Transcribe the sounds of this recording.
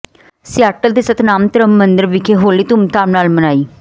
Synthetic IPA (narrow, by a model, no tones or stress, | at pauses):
sɪjaːʈəld̪eːsət̪naːmt̪əɾəmːənd̪əɾʋɪkʰeːɦoːliːt̪ʊmt̪aːmnaːlmənaːiː